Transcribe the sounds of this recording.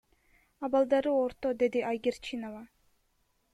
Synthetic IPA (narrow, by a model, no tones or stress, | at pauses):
ɑbɑlˠd̪ɑɾɯoɾt̪od̪e̞d̪iʔajɡʲeɾt͡ʃʰinovɑ